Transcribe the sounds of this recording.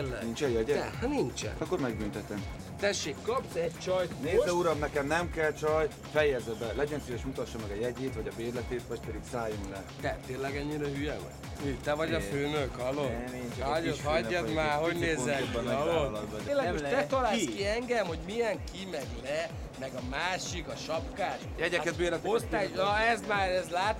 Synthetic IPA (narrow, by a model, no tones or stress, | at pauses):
ɛ̰nint͡ʃɛjɛɟɛnint͡ʃɛ̰nɒkːoɾmɛɡ̚bynt̪ɛt̪ɛm | t̪ɛʃːeːkːɒpsɛct͡ʃɒjneːzlɛuɾɒmnɛkɛmnɛmkɛlt͡ʃɒj | fɛjɛzɛbɛlɛɟɛnsejɛʃmut̪ɒʃːɒmɛɡɒjɛɟeːt̪vɒɟɒbeːrlɛt̪eːt̪ʋɒɟ̚pɛd̪iksaːjumlɛt̪ɛt̪eːnlɛɡɛɲːiɾɛɦyjɛmɔ̰ | myːkt̪ɛvɒɟɒføːnøkhɒloːit͡ʃɒɟot̪ɦɒɟːɛmaːɦoɟneːzɛɒloːlːnlːɛɡmot̪ɛt̪ɒlaːlskiɛŋɡɛmho̞ɟmijɛŋkʰimɛɡlɛ | mɛɡɒmaːʃikɒʃɒpkaːʃjɛɟɛkɛt̪̚beːɾlɛost̪aːnɒɛzmaːɾɛzlaːt̪